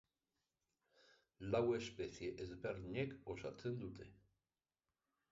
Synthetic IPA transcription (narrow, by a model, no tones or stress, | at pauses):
lawespeθijeʔezberðiɲekosat͡se̞nd̪ut̪e̞